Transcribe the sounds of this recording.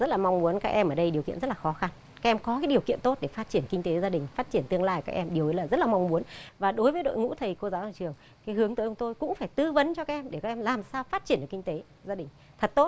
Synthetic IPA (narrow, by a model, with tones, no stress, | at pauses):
zə˦˥t̚laː˨˩ma˧wŋ͡mmu˨˦ənkaː˦˥k̚ʔɛ˧mʔəː˧˩ɗə˧jɗi˨˩əwkḭ˧˨nztlaː˨˩xɔ˨˦xa˧n | kaː˦˥k̚ʔɛ˧mkɔ˨˦kaː˨˦jɗi˨˩əwkḭ˧˨nt̪o˦˥t̚ɗe˧˩faː˦˥t̚t͡ɕi˧˩ənkï˧ŋ̟t̪e˨˦zaː˧ɗï˨˩ŋ̟faː˦˥t̚t͡ɕi˧˩ənt̪ɨ˧əŋlaː˧jkaː˦k̚ʔɛ˧mɗi˨˩əwʔi˨˦laː˨˩zə˦˥t̚laː˨˩ma˧wŋ͡mmu˨˦ənvaː˨˩ɗo˨˦jvəː˨˦jɗo̰˧˨jŋṵ˧˥t̪ʰə˨˩jko˧zaː˨˦˧t͡ɕɨ˨˩əŋ | kaː˨˦jɦɨ˨˦əŋt̪əː˨˦jə˧ŋ͡mt̪o˧jkʊ̰˧˥ŋ͡mfaː˧˩jt̪ɨ˧və˨˦nt͡ɕɔ˧kaː˦˥ʔɛ˧mɗe˧˩kaː˦k̚ʔɛ˧mlaː˨˩msaː˧wfaː˦˥t̚t͡ɕi˧˩nɗɨ˨˩ki˧ŋ̟t̪e˨˦ | zaː˧ɗï˨˩ŋ̟ | t̪ʰə˨˩t̚t̪o˦˥t̚